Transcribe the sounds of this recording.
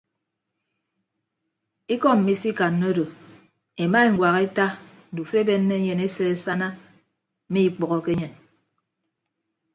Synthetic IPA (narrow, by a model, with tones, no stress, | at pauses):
i˦kɔ˦m̩˨i˦si˦ka˨nːo˦do˨ | e˨ma˦e˨ŋ̩˨ɡʷwa˨ɣe˦ta˦ | n̩˨du˨fe˦be˦nːe˦ɲe˨ne˦se˦e˨sa˦na˦ | miː˦˨k͡pɔ˨ɣɔ˦ke˦ɲe˨n